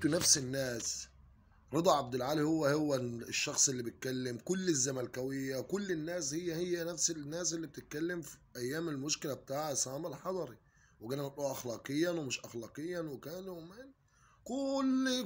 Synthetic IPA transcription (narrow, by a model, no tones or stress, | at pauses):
t̪unæfsɪnːæːs | ɾˤɑd̪ˤɑʕab̚d̪ɪlʕaːlihowːæhowːæʃːɑxsˤʔelːibet̪̚kælːɪmkʊlːɪzːæmælkæwɪjːæwkʊlːɪnːæːshɪjːæhɪjːænæfsɪnːæːsʔɪlːib̚t̪ɪt̪̚kælːɪmfiʔæjːæːmelmʊʃkɪlæbet̪aːʕasˤɑːmalħɑd̪ˤɑɾi | wɪɡælːænɑt̪ˤʔuːʔæxlɑːqɨjːɑnwemɪʃʔæxlɑːqejːɑnwɪkæːnumen | kʊlː